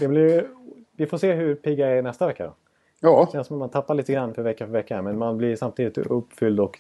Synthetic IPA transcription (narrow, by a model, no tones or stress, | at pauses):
d̪ɛblɪɾj | vɪfoːʂeːɦɵɾpʰiːɡaɾæɾnɛst̪avɛkːad̪ɔ̰ | d̪ɑːʃɛnsɔmat̪mant̪ʰapːaɾɭiːt̪əɡɾanːfœɾvɛkːafœɾvɛkːamɛnmanblɪɾsamt̪ʰiːd̪ɪt̪ɵpːfʏld̪ɔk